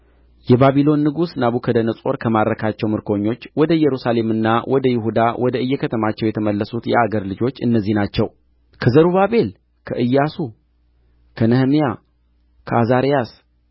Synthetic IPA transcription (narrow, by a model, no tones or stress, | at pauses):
jɛbaβilo̞nːɨɡusnaβukʰəd̪ənəsʼo̞ɾkʰəmaɾːəkʰat͡ʃːɛwmɨɾkʰo̞ɲːo̞t͡ʃːwɔd̪əjɛɾusale̞mɨnːawʔɔd̪əjɪɦud̪awʔɔd̪əʔɨjːɛkʰət̪ʰəmat͡ʃːɛwjɛt̪ʰəməlːəsut̪jɛ̰aɡəɾlɨd͡ʒo̞t͡ʃːɨnːəzːihnat͡ʃːɛw | kʰəzəɾuβaβe̞l | kʰəʔɨjːasu | kʰənəhmija | kʰəazaɾijas